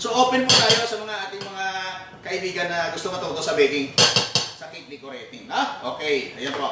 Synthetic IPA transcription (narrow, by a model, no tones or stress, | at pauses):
soʔoːpɛnput̪aːjo̞sɐmɐŋaʔaːt̪ɪŋmɐŋa | kɐʔɪbiːɡɐnːɐɡʊst̪omɐt̪ot̪osɐbɛːk̪ɪŋsɐkit̪̚lɪkoɾɛt̪ɪŋaʔoːkɛjɐjonpo